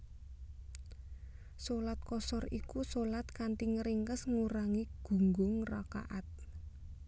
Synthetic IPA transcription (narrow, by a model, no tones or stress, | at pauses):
solat̪̚kɔsɔrikusolat̪̚kant̪iŋəɾiŋkəsŋuɾaŋiɡ̥ṳŋɡʊŋra̰ka̰ʔat̪̚